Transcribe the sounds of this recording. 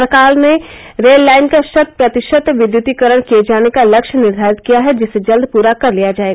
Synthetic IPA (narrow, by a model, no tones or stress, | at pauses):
ɾkaːlne | ɾeːlːaːɪnkaʃɐt̪̚pɾɐt̪ɪʃət̪ʋɪd̪jʊt̪ikəɾəɽ̃kied͡ʒaːnekalɐkʃnɪɾd̪ʱaːɾɪt̪̚kijaɦɛd͡ʒɪsːed͡ʒɐld̪̚ʱpuːɾakɐɾlijad͡ʒaːeːɡa